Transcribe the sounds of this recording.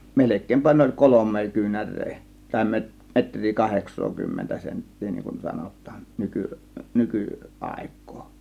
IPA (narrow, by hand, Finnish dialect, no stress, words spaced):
melekˑeːmpæ ne olʲ kolomˑeː kyːnærˑeː tɑˑe̝ me metrˑiː kɑheksˑoːkymːentæ sentːiː niŋkun sɑnotˑɑːn nyky nyky ɑˑe̝kˑo̥ː